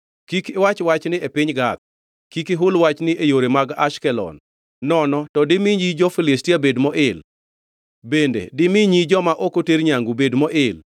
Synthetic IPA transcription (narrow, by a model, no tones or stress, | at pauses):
kikɪwat͡ʃwat͡ʃnɪepɪɲɡat̪̚ | kikɪɦʊlwat͡ʃnɪʔejoɾemaɡa̰ʃkɛlɔ̰n | nɔnɔtɔdɪmɪɲid͡ʒɔfɪlɪstiabedmɔʔɪl | bendḛdɪmɪɲid͡ʒɔmaʔokoteɾɲaŋɡubedmɔʔɪl